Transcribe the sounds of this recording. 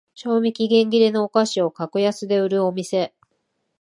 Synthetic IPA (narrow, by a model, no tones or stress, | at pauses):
ɕo̞ːmʲikʲiɡẽ̞ŋɡʲiɾeno̞ːkaɕio̞kakojasɨd̪e̞ɯ̟ɾɯ̟o̞mʲise̞